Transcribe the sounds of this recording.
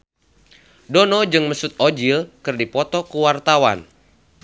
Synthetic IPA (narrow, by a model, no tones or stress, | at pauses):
dɔnɔd͡ʒɨŋməsut̪̚od͡ʒilkɨrdipɔt̪ɔkuwart̪awa̰n